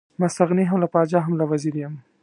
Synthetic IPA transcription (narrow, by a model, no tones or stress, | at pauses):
mast̪aɣniɦamlapɑd͡ʒɑɦamlawaziɾjam